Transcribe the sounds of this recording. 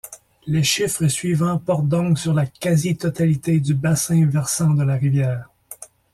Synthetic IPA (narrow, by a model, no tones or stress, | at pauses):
leʃifχəsɥivɑ̃pɔʁt̪̚d̪ɔ̃ksyʁlakʲazit̪ɔt̪alit̪ed̪ybasɛ̃vɛʁsɑ̃d̪əlaʁivjɛːʁ